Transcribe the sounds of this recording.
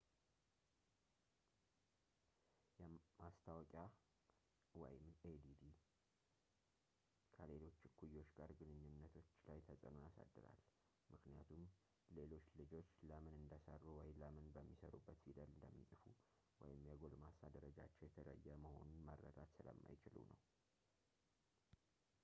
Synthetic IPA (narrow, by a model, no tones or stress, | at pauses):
jɛmast̪ʰawɔkʼja | wɔ̰jɪmed̪id̪i | kʰəle̞lo̞t͡ʃːkʰujo̞t͡ʃːɡaɾɡɨnɨɲːɪnːət̪ʰo̞t͡ʃːlajt̪ʰəsʼənujasa̰d̪ːɨɾa̰l | mɨknija̰t̪ʰum | le̞lo̞t͡ʃːlɨd͡ʒo̞t͡ʃːləmɨnɨnd̪əsərːuwɔjləmɨnbəmːisəɾṵbːət̪silalɨnd̪əmːisʼɨfu | wɔ̰jɪmjɛɡo̞lmasad̪əɾəd͡ʒat͡ʃːɛwjɛt̪ʰələ̰jːəməho̞̰nunməɾːə̰d̪at̪sɨlə̰mːa̰jt͡ʃɪlṵnə̰w